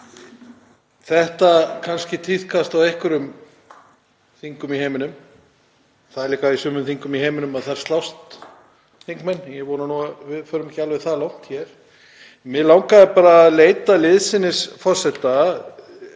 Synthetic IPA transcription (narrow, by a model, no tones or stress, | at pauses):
θɛht̪akʰanscɪt̪ʰi̥kʰast̪awɛhkʏɾʏm | θiŋkʏmihejmɪnʏm | θaðɛɾliːkaisʏːmʏmθiŋkʏmiɦeːjmɪnʏmaðθaɪɾ̥st̪lawst̪ | θiŋkmɛnːjɛɣvoːwnanuavɪðfœːɾʏmcɪalvɪθalawn̥t̪çɛɾ̥ | mɪðlawŋkaðpaːɾaleːjt̪alɪðsɪnːɪsfɔr̥sɛt̪ːa